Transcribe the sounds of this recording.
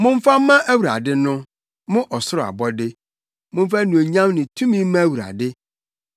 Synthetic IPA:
mʊ̃˦ɱ̩˦fa˦mã˦ʔæ˦wu˨ɾa̰˨dɪ˦nʊ̃˦ | mʊ̃˦ʔɔ˨sʊ˦ɾʊ˨a̰˨bɔ˦dɪ˦ | mʊ̃˦ɱ̩˦fa˦nũ˨o˨ɲã˦mnɪ̃˨tʰũ˦mĩ˦mã˦æ˦˨wu˨ɾa̰˨dɪ˦

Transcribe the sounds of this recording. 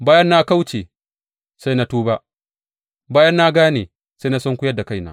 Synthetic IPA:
baː˦jɐ˦nːa˦ka˦wt͡ʃeː˨ | sa˦jna˦tuː˦ba˦ʔ | baː˦jɐ˦nːa˦ɡaː˦nḛ˨ | sa˦jna˦sɐ˦ŋkʷʊ˦jɐ˦da˨ka˦jna̰ː˦

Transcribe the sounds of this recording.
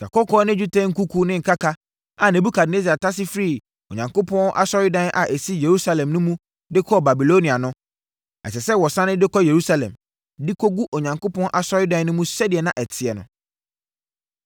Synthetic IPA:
ka̰˨kɔ˦kʰɔː˦nɪ̃˦u˦tʰɛ̃˦ŋ̩˦ku˦kʰu˦nɪ̃˦ŋ̩˨kʰa˦kʰa˦ | a˨nɛ˨bu˦kʰa˨dne˦si˨a˨tʰa˦s̬ɪ˦fɾi˦˨ | o˨ɲã˨ŋko˦pʰɔ̃˦nʔa̰˦sɔ˦ɾɪ˦dã˦nʔa̰˨ʔe˨si˦je˨ɾu˦sa˦lɛ̃˨mnʊ̃˦mũ˦ | dɪ˦kʰɔ˦ba˨bi˨lo˦nĩ˨a˨nʊ̃˦ | ɛ̰˨sɛ˨sɛ˦wɔ˨sã˦nɪ̃˦dɪ˦kʰɔ˦je˨ɾu˦sa˨lɛ̰̃˨m | dɪ˦kʰo˦ɡu˦ʔo˨ɲã˨ŋko˦pʰɔ̃˦nʔa˨sɔ˦ɾɪ˦dã˦nʊ̃˦mũ˦sɛ˦dɪ˨ɛ˨nã˦ʔɛ˨tʰɪ˨ɛ˨nʊ̰̃˨

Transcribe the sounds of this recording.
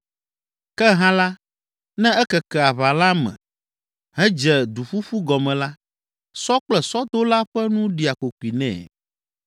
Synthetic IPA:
kɛ˦ɦã˦la˦ | nɛ̃˦ɛ˦kɛ˨kɛ˨a˨βa˨la˦mɛ̰̃˨ | ɦɛ̃˦d͡ʒɛ˨d̪u˨fu˦ɸu˦ɡɔ˨mɛ̃˨la˦ | sɔ˦k͡plɛ˨sɔ˦d̪o˦la˦ɸɛ˦nũ˦ɖi˨a˨ko˨ku˨i˨nɛ̰̃ː˨

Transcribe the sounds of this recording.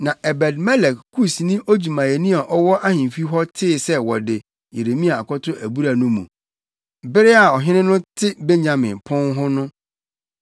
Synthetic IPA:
nã˨ʔɛ˨bɛ˨dmɛ˦lɛ˨kkʰu˦snĩ˦ʔo˦d͡ʑu˨mã˨jɛ˨nĩ˦a˨ʔɔ˦wɔ˦ʔa˦hɪ̃˨fi˦ɦɔ˦tʰɪ˦˨sɛ˦wɔ˨dɪ˨ | je˨ɾe˨mĩ˦a˨a˨kʰɔ˦tʰʊ˦ʔæ˨bu˦ɾa˨nʊ̃˦mṵ̃˨ | bɪ˦ɾɪ˦a˨ɔ˨ɦɪ̃˦nɪ̃˦nʊ̃˦tʰɪ˦be˦ɲã˨mɪ̃˨npʰɔ̃˦nɦʊ˦nʊ̃˦

